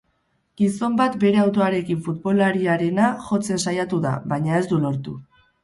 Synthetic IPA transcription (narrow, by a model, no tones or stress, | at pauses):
ɡ̥iso̞mbat̪be̞ɾe̞awt̪o̞aɾe̞kiɱfut̪bo̞laɾiaɾe̞naʝo̞t͡se̞nsajat̪uða̰βajɲae̞zd̪ulo̞ɾt̪u